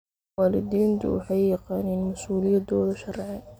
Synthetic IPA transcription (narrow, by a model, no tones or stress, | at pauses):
aːlɪd̪iːnt̪ʰʊ̰wʊħɑjːɑqɑːniːnmɐsuːlɪjɐd̪ɔːðɐʃɐrʕɛ